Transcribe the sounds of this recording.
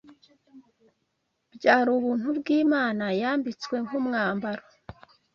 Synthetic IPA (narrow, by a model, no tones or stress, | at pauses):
bɟaːɾuβuːn̥hubɡiːmaːnajaːmbit͡swe̞ŋhumŋaːmbaɾo